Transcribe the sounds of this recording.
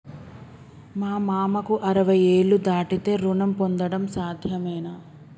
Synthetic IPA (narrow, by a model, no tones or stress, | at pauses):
maːmaːmɐkuʔɐɾɐʋɐje̞ːɭːud̪aːʈit̪e̞ːɾunɐmpond̪ɐɽɐmsaːd̪ʱjɐmɛːna